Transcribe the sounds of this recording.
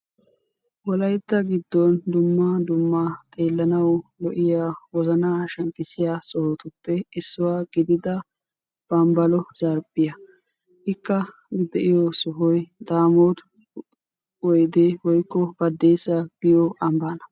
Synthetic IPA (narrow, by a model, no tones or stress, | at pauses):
wɔlɐjt̪ːɐɡɪd̪ːɔnd̪ʊmːad̪ʊmːat̪ʼe̞ːlːɐnɐwlɔʔɪjaːwɔzɐnaːʃɛmpʼɪsɪjaːsʼɔhot̪ʊpːɛɪsːʊwaːɡɪd̪ɪd̪ɐ | b̥ɐmbɐlɔz̥ɐɾbʼɪjɐ | ʔɪkːɐ | d̪ɛʔɪjɔsʊɦɔjd̪aːmoːd̪ | ɔjd̪eːwɔjkːɔbɐd̪ːejsːɐɡ̥ɪjɔʔɐmbaːnɐ